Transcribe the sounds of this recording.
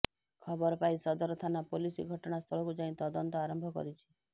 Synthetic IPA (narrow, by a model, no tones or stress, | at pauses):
kʰɔbɔɾɔpaisɔd̪ɔɾɔt̪ʰanapolisḭɡʱɔʈɔɽ̃ast̪ʰɔɭɔkud͡ʒaĩt̪ɔd̪ɔnt̪ɔaɾɔmbʱɔkɔ̰ɾit͡ʃʰi̥